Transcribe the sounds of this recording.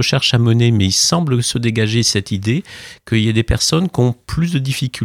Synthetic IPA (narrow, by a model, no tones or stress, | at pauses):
əʃɛʁʃamənemɛilsɑ̃bləsəd̪eɡaʒesɛt̪id̪ekəiljad̪epɛʁsɔnkʲiɔ̃plys̬d̪əd̪ifikʲʰy